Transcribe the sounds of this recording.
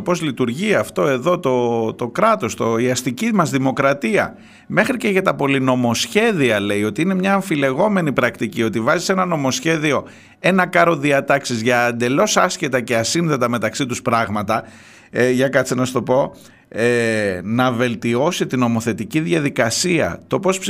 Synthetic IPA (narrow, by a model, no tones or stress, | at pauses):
opo̞zlit̪uɾʝiɐft̪o̞e̞ðo̞t̪o̞t̪o̞kɾɐt̪o̞st̪o̞iɐst̪icimɐzðimo̞kɾɐt̪iɐ̰ | me̞xɾice̞ʝɐt̪ɐpo̞lino̞mo̞sçe̞ðiɐle̞io̞t̪iine̞mɲɐːɱfile̞ɣo̞me̞nipɾɐkt̪icio̞t̪ivɐzi̥se̞nɐno̞mosçe̞ðio̞ | e̞nɐkɐɾo̞ðiɐt̪ɐksizʝɐːnd̪e̞lo̞sɐscet̪ɐceɐsinðe̞t̪ɐme̞t̪ɐksit̪uspɾɐɣmɐt̪ɐ | ʝɐkɐt͡sinɐst̪o̞po̞ | enɐve̞lt̪io̞sit̪ino̞mo̞θe̞t̪iciðʝɐðikɐsiɐ̰t̪o̞po̞sp